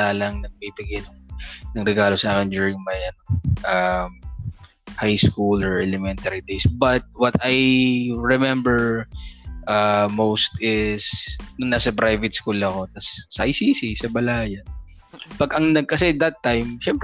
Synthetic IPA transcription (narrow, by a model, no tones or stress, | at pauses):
aːlɐŋnɐɡ̚pibɪɡɛnɐŋnɐŋɾɛɡaːlo̞saːkɛnd͡ʒ̪uːɹɪŋmajʔɐnoʔɐm | hajskulɔɹʔɛlɛmɛnt̪ɐɾid̪ejsbɐt̪̚wɐt̪ɐjɹɛmɛmbɛɹ | ʔamowst̪ɪsnʊnːasɐpɾajvɛt̪skulɐko̞t̪ɐsːɐʔɐjsiːsisɐbɐlajan | pɐɡɐŋnɐɡ̚kɐsɛd̪ɐt̪ːajmʃɛmpɾ